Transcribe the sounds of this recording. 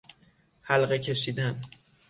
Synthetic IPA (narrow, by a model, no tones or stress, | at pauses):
hælɢecʰe̞ʃiːd̪æn